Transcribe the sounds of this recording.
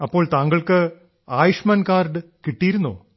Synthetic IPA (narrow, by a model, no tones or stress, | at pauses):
ɐpːo̞ːɭt̪aːŋɡɐɭkɨ | aːjuʂmɐːnkaːrɖɨkiʈːijiɾunːo̰ː